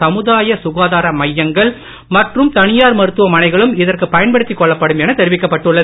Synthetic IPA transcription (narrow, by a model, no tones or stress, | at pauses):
ɐmɯðaːjɐsʊɣaːðaːɾɐmɐjːɐŋɡɐɭ | mɐʈrɯmt̪ɐnɪjaːɾmɐɾɯt̪ːɯʋɐmɐnɐɪɣɐɭɯmɪðɐrkɯpɐjɐnpɐɽɯt̪ːikːɔɭːɐpːɐɽɯmɛnɐt̪ɛɾɪʋɪkːɐpːɐʈːɯɭːɐ